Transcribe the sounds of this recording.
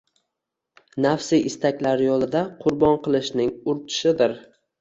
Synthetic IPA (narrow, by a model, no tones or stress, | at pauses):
nafsɪʔɪst̪ʰakʲlaɾjolˠɪd̪aqʰʊɾbɒnqɨlˠɪʃnɪŋʊɾt̪ʰɪ̥ʃɪd̪ɪɾ